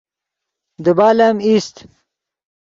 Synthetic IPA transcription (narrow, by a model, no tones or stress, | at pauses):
d̪əbaːlamist̪